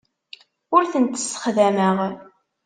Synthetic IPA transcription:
ʊɾθənt̪ə̥sːə̥χðæməʁ

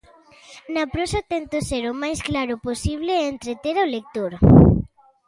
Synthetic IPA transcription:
napɾosat̪ɛnt̪ʊseɾʊmajsklaɾʊposiβ̞leːnt̪ɾet̪eɾaolek̚t̪oɾ

